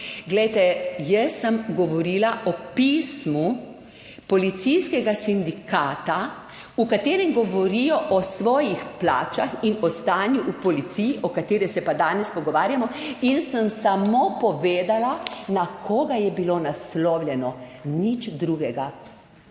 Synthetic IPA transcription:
ɡlɛjt̪ɛjɛsːəmɡɔʋɔɾiːlaɔpismu | pɔlit̪sijskɛɡasind̪ikʰaːt̪a | ukat̪eːɾɛmɡɔʋɔɾijɔʔɔsʋɔːjixpla̰ːt͡ʃaxinɔst̪aːnjuʔupɔlit̪sijiʔɔkat̪eːɾɛsɛpad̪aːnɛspɔɡɔʋaːɾjamɔinsəmsamopɔʋeːd̪alanakʰoːɡajɛbilonaslɔːwlʲjɛnɔnit͡ʃd̪ɾuɡɛɡa

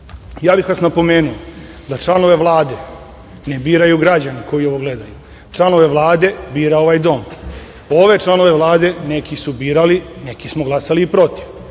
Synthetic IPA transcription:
jaːbixʋasnapo̞meːnuo | d̪at͡ʂlˠano̞ʋe̞ʋlˠaːd̪e̞ | nebiːɾajuɡɾad͡ʑaniko̞jio̞ʋo̞ɡle̞d̪aju | ʈ͡ʂlˠano̞ʋe̞ʋlˠaːd̪e̞biːɾao̞ʋajd̪o̞m | o̞ʋe̞t͡ʃlˠano̞ʋe̞ʋlˠaːd̪e̞ne̞kisubiːɾaline̞kismoɡlˠasaliːpɾo̞t̪iʋ

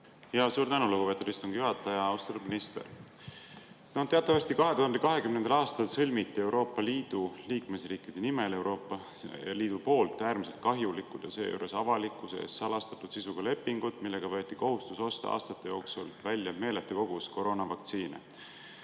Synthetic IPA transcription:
jɑsuːɾt̪ænuluɡupe̞t̪ud̪̥ist̪unŋɡ̥ɑjuɦɑt̪ːˑɑjɑɑwst̪ɑt̪lːud̪minist̪e̞̰r | nɑd̪t̪eɑt̪ːˑɑvɑst̪ikɑɦe̞t̪uhɑnd̪e̞kɑɦe̞kymnend̪ɑlɑːst̪ɑlsɤlʲmit̪ˑːie̞wɾo̞ːpːˑɑliːd̪̥uliːkme̞sriːkˑid̪̥e̞nime̞le̞wɾo̞ːpːˑɑ | liːd̪̥upo̞ːlt̪ːˑæːɾmise̞lt̪̚kɑɦjulikːud̪̥jɑseːjṵːɾe̞sɑvɑlikːˑusḛːsːɑlɑst̪ɑt̪ːˑud̪̥sisuɡ̥ɑle̞pːiŋɡ̥ud̪̥milːe̞ɡ̥ɑvɤːt̪ːˑiko̞ɦust̪uso̞st̪ɑ̰ɑ̰ːst̪ɑt̪ːe̞jo̞ːksulvælʲjɑme̞ːlet̪ːeko̞ɡ̥usko̞ɾo̞ːnɑvɑk̚t̪siːnḛ

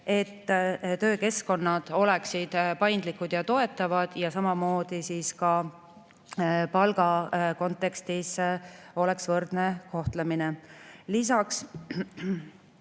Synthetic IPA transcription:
e̞t̪ːt̪ø̞ːke̞sko̞nːɑd̪̥o̞le̞ksid̪̥pɑjnd̪likːˑud̪̥jɑt̪o̞e̞t̪ːˑɑvɑd̪̥jɑsɑmɑmo̞ːd̪̥isiːskɑ | pɑlɡ̥ɑko̞nt̪ˑe̞kst̪iso̞le̞ksvɤrd̪̥ne̞ko̞ht̪leminelisɑks

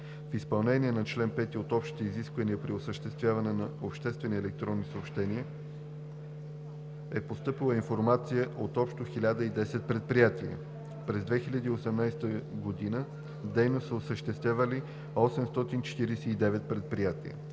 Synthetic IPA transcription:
fispɐlˠnɛniɛnɐt͡ʃlɛnpɛt̪iot̪ɔpʃt̪t̪oiziskvəniəpɾiosəʃt̪ɛst̪vʲjavɐnɛnɐopʃt̪ɛst̪vɛniɛlɛk̚t̪ɾɔnːisəopʃt̪ɛniə | ɛpost̪ɤpilˠəinfoɾmat̪sijəʔot̪ɔpʃt̪oxilʲad̪əid̪ɛsɛt̪̚pɾɛt̪̚pɾijat̪iə̰ | pɾɛzd̪vɛxilʲəd̪iːosɛmnajst̪əɡod̪inə | d̪ɛjnosəosəʃt̪ɛst̪vʲjavəli | ɔsɛmst̪ɔt̪int͡ʃɛ̥t̪iɾɛsɛid̪ɛvɛt̪̚pɾɛt̪̚pɾijat̪ḭə̰

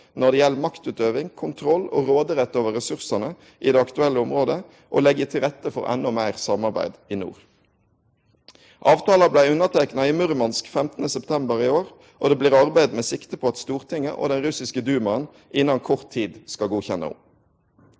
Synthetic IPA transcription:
nɔʁd̪ɛjɛlmɑkt̪ʉːt̪øːʋɪŋkʰʊnt̪ʰʁɔlːo̰ːʁoːd̪əʁɛt̪ːoːʋəʁɛsʉʁsənə | ʔḭːd̪eːɑkt̪ʉɛlːəʊmʁoːd̪ə | ʔo̰ːlɛɡət̪ʰɪlʁɛt̪ːəfɔ̰ʁɛ̰nːɔmæɪʁsɑmɑʁbæ̰ɪd̪iːnṵːʁ | ʔɑːʋt̪ʰɑːlɑblæɪʉnːəʁt̪ʰɛknɑɪmʉʁmɑnskfɛmt̪ənəsɛpt̪ʰɛmbəʁɪoːʁ | ʔoːd̪eːbliːʁɑʁbæɪd̪meːsɪkt̪əpʰɔːɑt̪st̪uːʁt̪ʰɪŋːə̰ʔo̰ːd̪ɛnʁʉsɪskəd̪ʉːmɑən | ʔɪnːɑnkʰɔʁt̪ʰːiːd̪skɑlɡuːçɛnːə̰ʊ̰

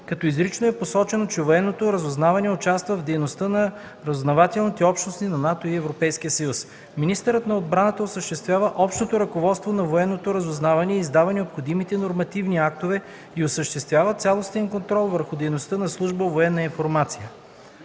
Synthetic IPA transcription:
kɐt̪ɔizɾit͡ʃnoɛposɔt͡ʃɛnot͡ʃɛvoɛnːot̪oɾɐzʊznavɐnɛot͡ʃast̪vəvd̪ɛjnost̪ənɐ | ɾəzznɐvat̪ɛlˠnit̪ɛɔpʃnost̪inɐnat̪oiɛvɾopɛjskʲiəsɐjus | minist̪əɾət̪nɐod̪̚bɾanət̪əosəʃt̪ɛst̪vʲjavəʔɔpʃt̪ot̪oɾɐkovɔt̪st̪vonɐvoɛnːot̪oɾɐzʊznavɐniɛizd̪avɐnɛopxod̪imit̪ɛnoɾmɐt̪ivniak̚t̪ovɛ | iosəʃt̪ɛst̪vʲjavət̪sʲalˠost̪ɛnkont̪ɾɔlˠvəɾxʊd̪ɛjnost̪ənɐslˠuʒbəovoɛnːɐinfoɾmat̪sijə

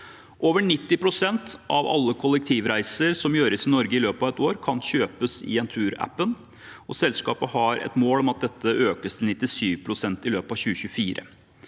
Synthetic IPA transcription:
ʔoːʋəɳɪt̪ːɪpʰɾʊsɛnt̪ʔɑʋɑ̰lːəkʰʊlːɛk̚t̪ʰiːʋɾæɪsəɾsɔmjøːɾəsɪnɔɾɡəɪløːpɑʋɛt̪oːɾkʰɑnɕøːpəsɪ̰ɛnt̪ʰʉːɾæ̰pːən | ɔsɛlskɑːpəhɑɾɛ̰t̪moːlɔmɑt̪̚d̪ɛt̪ːəʔøːkəst̪ʰɪl̩nɪt̪ːɪsyːʋpʰɾʊsɛnt̪ɪlø̰ːpɑʋɕçʉːəɕʉfiːɾə̰

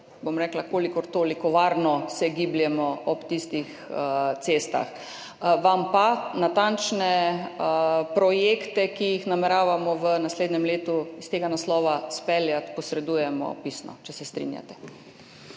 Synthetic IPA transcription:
bomɾɛːklakoːlikɔɾt̪oːlikɔʋaːɾnɔsɛɡibljɛmɔɔpt̪ist̪ix | t̪seːst̪a̰x | ʋampanat̪ant͡ʃnɛ | pɾɔjekt̪ɛkijixnamɛɾaːʋamɔʋənasleːd̪nɛmleːt̪uist̪eːɡanaslɔːʋaspɛljat̪pɔsɾɛd̪uːjɛmɔ̰pisnɔ̰t͡ʃɛsɛst̪ɾḭnja̰t̪ɛ̥

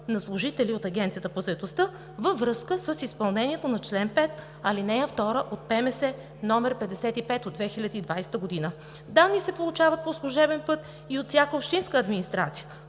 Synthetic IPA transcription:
nɐslˠʊʒit̪ɛliot̪ɐɡʲɛnt̪sijət̪əpozɐɛt̪ost̪ə | vəvɾɤskəsəsispɐlˠnɛniɛt̪onɐt͡ʃlɛnpɛt̪ | ɐlinɛjəft̪ɔɾəʔot̪̚pɛmɛsɛ | nɔmɛɾpɛd̪ɛsɛt̪ipɛt̪od̪vɛxilʲəd̪iːd̪vajsɛ̥t̪əɡod̪inə | d̪anːisɛpolˠut͡ʃavət̪̚poslˠuʒɛbɛnpɤt̪ | iot̪sʲjakəopʃt̪inskəːd̪minist̪ɾat̪sijə

